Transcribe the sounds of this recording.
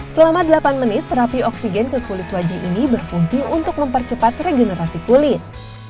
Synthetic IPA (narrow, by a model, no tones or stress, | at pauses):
səlamadəlapanmənɪt̪ːəɾapiɔksiɡɛnkəkulɪt̪wad͡ʒaɦinibərfuŋsiunt̪ʊk̚məmpərt͡ʃəpat̪reɡɛnəɾasikulɪt̪